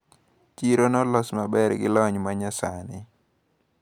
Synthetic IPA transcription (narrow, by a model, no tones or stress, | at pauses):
t͡ʃiɾonɔlɔsmabɛɾɡɪ̰lɔɲmaɲasanɪ